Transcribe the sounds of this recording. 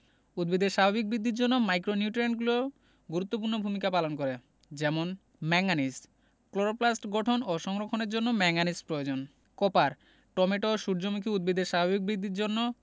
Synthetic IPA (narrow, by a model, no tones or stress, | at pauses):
ud̪̚bid̪eɾʃabʱabik̚bɾid̪ːiɾd͡ʑonːomajkɾoniuʈiɾeɳʈɡulo | ɡuɾut̪ːopuɾnobʱumikapalonkoɾe | d͡ʑɛmon | mɛŋanis | kloɾoplasʈɡɔʈʰonoʃɔŋɾokʰːoneɾd͡ʑonːomɛŋanispɾood͡ʑon | kɔpaɾ | ʈɔmeʈoʃuɾd͡ʑomikʰiud̪̚bid̪eɾʃabʱabik̚bɾid̪ːiɾd͡ʑonːo